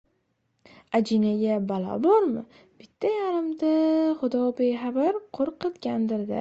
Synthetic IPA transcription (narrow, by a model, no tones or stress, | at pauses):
ad͡ʒɪnaɡʲabalɒ̰bɒɾmɪ | b̥ɪt̪ʰːajaɾɪmd̪aχʊd̪ɒbejɦabaɾqʰoɾqʰɨt̪ɡʲand̪ɪɾd̪ɪ̰